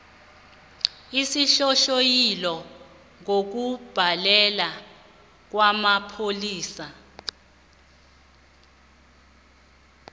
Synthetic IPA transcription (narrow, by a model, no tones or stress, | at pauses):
isiɬɔʃojilɔ | ŋok̬ub̥ʱalɛla | k̬wamapʰoliːsa